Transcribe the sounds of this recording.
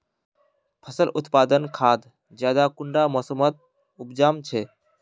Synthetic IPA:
pʰəsəlʔʊt̪pad̪ənkʰad̪ | d͡ʒjad̪akuɳɖamɔsəmət̪̚ | upd͡ʒamt͡ʃʰɛ

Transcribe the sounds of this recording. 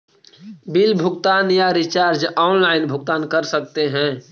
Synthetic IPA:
bilbʱʊɡt̪aːnjaɾit͡ʃaːɾd͡ʒɔːnlaɪnbʱʊɡ̚t̪aːnkəɾsək̚t̪eɦɛ̃

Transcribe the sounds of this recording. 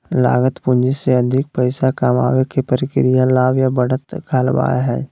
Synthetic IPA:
la̰ːɡət̪pʊ̃nd͡ʒiseɐd̪ʱɪk̚pɛɪsakaːma̰ːʋekepəɾɪkɪɾɪjalaːʋjabəɽət̪kʰaːlʋa̰ːja̰ɦɛ̰ː

